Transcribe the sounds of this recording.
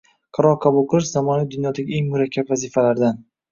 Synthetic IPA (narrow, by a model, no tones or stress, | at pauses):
qʰɑɾɒqʰɑbulˠqʰɨlˠɨʃz̥amɒnijd̪ʊnjɒd̪aɡʲɪeŋmʊɾakʲʰːapvazifalaɾd̪an